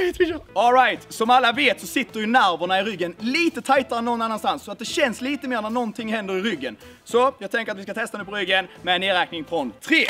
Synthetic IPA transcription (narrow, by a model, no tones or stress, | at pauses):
t̪ɔlɾajt̪sɔmalːaveːt̪sɔsɪt̪ːəɾjʏnæɾvəɳaɪɾʏɡːənliːt̪ət̪ʰajt̪aɾəɛnːɔnːanːanst̪ansːɔat̪̚d̪ɛɕɛnsliːt̪əmeːɾəɳæɳɔnt̪ʰɪŋːhɛnd̪əɾɪɾʏɡːən | sɔjɑːɡ̚t̪ʰɛŋkəɾat̪vɪskat̪ʰɛst̪anʉːpʰɔɾʏɡːənmɛnːeːɾɛːk̚nɪŋfɾɔnt̪ʰɾeː